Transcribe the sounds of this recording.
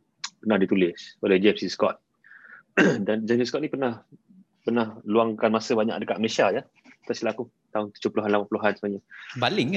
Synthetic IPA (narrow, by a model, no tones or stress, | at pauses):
pənahdit̪ulɪsolɛhd͡ʒɛmsiskɔt̪̚ | dand͡ʒɛmsiskɔt̪̚nipərnah | pərnahluaŋkanmasəbaɲa̰kdəkaʔməlesiaja | t̪asilaku | t̪aʊnt̪ud͡ʒʊhpuluɦanlapapuluɦansəmaɲabalɪŋ